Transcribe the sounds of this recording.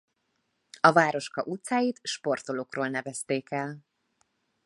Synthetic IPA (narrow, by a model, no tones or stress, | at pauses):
ɒvaːɾo̞ʃkɒʔut̪saːjit̪ʃpo̞rt̪oloːkroːlnɛvɛst̪eːkɛl